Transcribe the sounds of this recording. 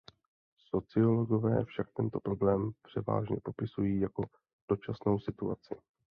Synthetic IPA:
so̞t͡sɪo̞lo̞ɡo̞vɛ̰ːfʃak̚t̪ɛnt̪o̞pɾo̞blɛːmpr̝̥ɛva̰ːʒɲɛpo̞pɪsujiːjako̞ | d̥o̞t͡ʃasno̞wsɪt̪uat͡sɪ

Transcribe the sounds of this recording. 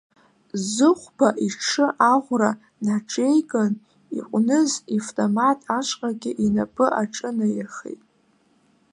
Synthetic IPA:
zɨχʷbaʔiʈ͡ʂʰɨʔaʁʷra | nʈ͡ʂʼejɡʼan | ḭqʷʼnɨziftʼomatʼaʃʷʼqʼaɡʲɪʔinapʼɨʔaʈ͡ʂʼɨnajɪrχḛjtʼ

